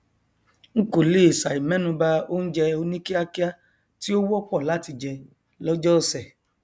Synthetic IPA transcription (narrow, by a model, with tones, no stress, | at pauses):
ŋ̩˦ko˨le˦˨sa˨i˨mɛ̃˨˦nũ˧ba˧o˦n̩˦d͡ʒɛ˧o˧nĩ˦ki˦a˦ki˦a˦ | ti˦o˦wɔ˦pɔ˦˨la˨˦ti˧d͡ʒɛ˧ | lɔ˦d͡ʒɔ˦˨sɛ˨